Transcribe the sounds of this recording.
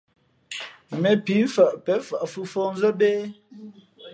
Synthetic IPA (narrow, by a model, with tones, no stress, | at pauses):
mɛ˨pi˨˦fə˨ʔpɛ˨˦fə˨ʔfu˦fo˦n˦zə˦be˦